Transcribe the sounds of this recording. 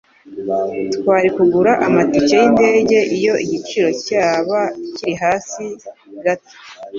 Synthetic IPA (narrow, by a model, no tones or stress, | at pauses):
tkwaːɾikuɡuɾaʔamaticejinde̞ːɟe̞ʔijo̞ʔiɟit͡ʃiɾo̞caːβaciɾiɦaːsi | ɡato̥